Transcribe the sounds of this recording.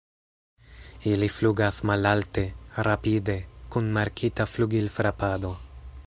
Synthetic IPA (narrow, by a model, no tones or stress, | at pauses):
ilifluɡasmalalte̞ɾapide̞kunmaɾkʰitafluɡilfɾapado̞